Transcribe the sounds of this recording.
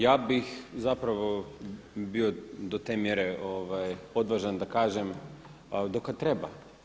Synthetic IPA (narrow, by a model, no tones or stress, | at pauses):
jaːbixzapɾaʋo | biod̪ot̪eːmjeɾeʔoʋajo̞d̪ʋaʒand̪akaːʒem | d̪okat̪ɾeba